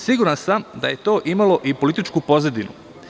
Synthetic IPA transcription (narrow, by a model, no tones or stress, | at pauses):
siɡuɾansamd̪a̰je̞t̪o̞ːʔimalˠo̞ʔipo̞lit̪it͡ʃkupo̞zed̪inṵ